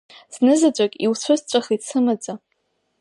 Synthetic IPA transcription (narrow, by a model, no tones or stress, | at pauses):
z̥nɨzat͡ɕʷʼakʲʼiwsʷʰʊzt͡ɕʷʼaχisɨmad͡zʼa